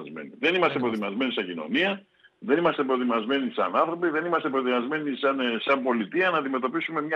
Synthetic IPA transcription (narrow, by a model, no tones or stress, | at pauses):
zmḛniðe̞nimɐst̪epɾot̪imɐzme̞nisɐɲɟino̞̰niɐ | ðe̞nimɐst̪e̞pɾot̪imɐzme̞nisɐ̰nɐnθɾopiðe̞nimɐst̪epɾot̪imɐzme̞nisɐnsɐmbo̞lit̪iɐnɐːnd̪ime̞t̪o̞pisume̞mɲɐ